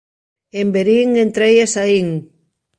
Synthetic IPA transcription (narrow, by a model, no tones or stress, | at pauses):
embeɾiŋent̪ɾejesaiŋ